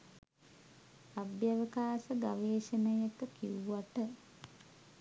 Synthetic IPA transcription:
abjaʋəkaːsəɡaʋeːʃənəjek̪əkiʋuuaʈə

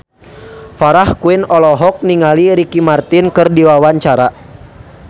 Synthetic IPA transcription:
faɾahkuɪnɔlɔɦɔk̚niŋaliɾikimart̪inkɨrdiwawaɲt͡ʃaɾa

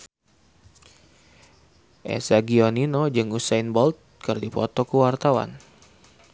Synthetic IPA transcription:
ʔḛsaɡioninod͡ʒɨŋusajnbɔlt̪̚kɨrdipɔ̰t̪ɔkəwart̪awa̰n

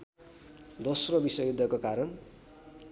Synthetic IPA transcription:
d̪osrobisʌjjud̪ʱːʌkokaɾʌn

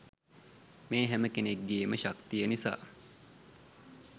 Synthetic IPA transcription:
meːɦæməkeneɡːeːməʃakt̪ijənisa̰ː

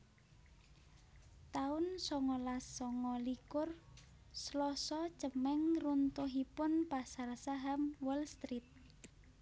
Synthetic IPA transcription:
t̪aʊnsɔŋɔlasɔŋɔlikʊr | slɔsɔ̥t͡ʃəmɛŋrunt̪uɦipʊnpasarsaɦamwɔlst̪ɾit̪̚

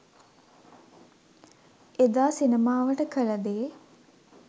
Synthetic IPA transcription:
ed̪aːsinəmaːʋəʈəkələd̪eː

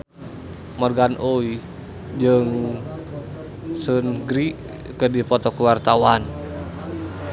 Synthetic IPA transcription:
mɔrɡanʔoi | d͡ʒəŋ | sənɡɾi | kədipɔt̪ɔkuwart̪awan

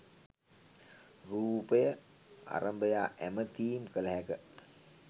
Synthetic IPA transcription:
ruːpəjə | a̰ɾəmbəjaːʔæmət̪iːmkələɦækə

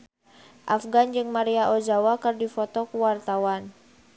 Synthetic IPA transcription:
ʔafɡand͡ʒɨŋmaɾiaʔod͡ʒawakɨrdifɔt̪ɔkuwart̪awan

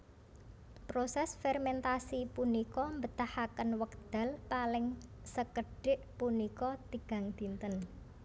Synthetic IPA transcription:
pɾosɛsfɛrmɛnt̪asipunikɔmbət̪ahakənwəkd̪̥a̤lpalɪŋsəkəɖ̥ɪʔpunikɔt̪iɡ̥a̤ŋd̪̥i̤nt̪ən

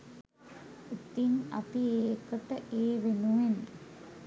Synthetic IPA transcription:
ut̪ːiŋɐ̰piekəʈəʔeːʋenuʋen

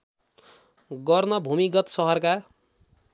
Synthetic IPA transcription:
ɡʌrnʌbʱumikʌt̪sʌɦʌrka

